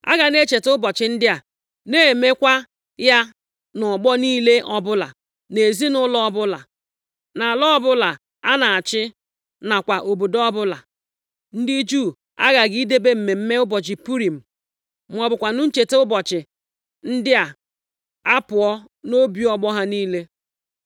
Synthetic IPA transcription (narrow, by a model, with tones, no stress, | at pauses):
a̰˦ɡa˨ne˦t͡ʃe˨tʊ˦bɔ˨t͡ʃɪ˨n̩˦dɪ˦a˨ | ne˦˨me˦kʷa˦ | ja˦ | nɔ˨ɡ͡bɔ˦niː˦le˦ʔɔ˦bʊ˦la̰˨ | ne˨zi˦nʊ˦lɔ˦ɔ˦bʊ˦la̰˨ | na˨a˨lɔ˦ɔ˦bʊ˦la˨ | a˦na˨a˨t͡ʃɪ˦ | na˨kʷa˨ʔo˨bo˨dɔ˦bʊ˦la˨ | n̩˦dɪ˦d͡ʒu˦˨ | a̰˦ɣa˨ɡi˦de˦be˦m̩˨me˨m̩˦me˦ʊ˦bɔ˨t͡ʃɪ˨pu˦ɾi˨m̩˨ | m̩˨ɔ˨bʊ˨kʷa˨nʊ˦n̩˦t͡ʃe˨te˦ʊ˦bɔ˨t͡ʃɪ˨ | n̩˦dɪ˦a˨ | a˦pʊ˨ɔ˦ | no˦bi˨ɔ˦ɡ͡bɔ˦ɦa˦niː˦le˦